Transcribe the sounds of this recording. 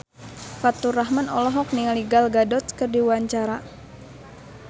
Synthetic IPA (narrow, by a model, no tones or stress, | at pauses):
fat̪uraɦmanɔlɔɦɔk̚niŋaliɡalɡadɔt̪kərdiwaɲt͡ʃaɾa